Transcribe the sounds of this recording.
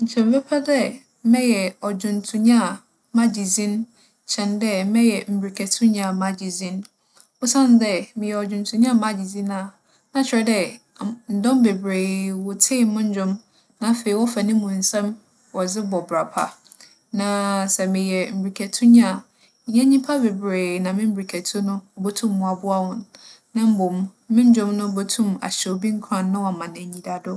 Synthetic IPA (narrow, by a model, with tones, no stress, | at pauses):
ɲ̩˨t͡ɕʰɛ̃˨m̩˨bɛ˦pʰa˦dɛ˦ | mɛ̃˦jɛ˨ɔ˨d͡ʑʊ̃˨ntʰũ˨ɲã˦˨ | mã˦d͡ʑi˨zĩ˦n | t͡ɕʰɛ̃˨ndɛ˦mɛ̃˦jɛ˨m̩˨bɾi˨kʰɛ˨tʰʊ̃˦ɲã˨mã˨d͡ʑi˨zĩ˦n | ʊ˦sã˦n˦dɛ˦mɪ̃˨jɛ˨ɔ˨d͡ʑᶣʊ̃˨n˨tʰũ˨ɲã˦a˦˨ma˦d͡ʑi˨zĩ˦nã˨ | nã˨t͡ɕʰɪ˨ɾɛ˨dɛ˦ | n̩˨dɔ̃˦mbe˨bɾe˨wʊ˨tʰɪ˦˨˦mʊ̃˦ɲ̩˦d͡ʑᶣʊ̃˦m | nã˨˦fe˨i˨wɔ˦fa˨nɪ̃˦mũ˨n̩˨sɛ̃˦m | wɔ˨d͡zɪ˦bɔ˨bɾa˨pʰa̰˨ | nã˨sɛ˨mɪ̃˨jɛ˨m̩˨bɾi˨kʰɛ˨tʰʊ̃˦ɲ˦ã˦˨ | ɲ̩˨ɲã˦ɲĩ˦pʰa˦be˨bɾeː˨nã˨mɪ̃˦m̩˦bɾi˨kʰɛ˨tʰʊ̃˦nʊ̃˦bo˦tʰũ˦mː˨ũ˨a˨bʊ˦a˦wʊ̃˨nː | ã˦m̩˦bʊ˨m̃˦mɪ̃˦ɲ˦d͡ʑᶣʊ̃˦mnʊ̃˦bo˦tʰũ˦ma̰˨ɕɛ˨o˨bĩ˦ŋ̩˦kʰɾã˦nː˦ʊ̃˦wɔ˨mã˨nɛ̃˨ɲĩ˨da˨dʊ˦